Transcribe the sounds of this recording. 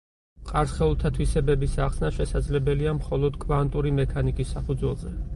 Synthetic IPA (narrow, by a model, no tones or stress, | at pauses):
qʼaɾsχɛulˠt̪ʰat̪ʰwisɛbɛbisaχsnaʃɛsad̪zlɛbɛliamχɔlˠɔd̪kʼvant̪ʼuɾimɛkʰanikʼisːapʰud̪zwɛlˠzɛ